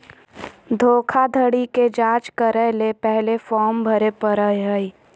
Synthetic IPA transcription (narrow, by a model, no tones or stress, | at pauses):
d̪ʱoːkʰad̪ʱəɽiked͡ʒaːt͡ʃkəɾəlepɛɦlefɔːɾmbʱəɾepəɾəjɦəi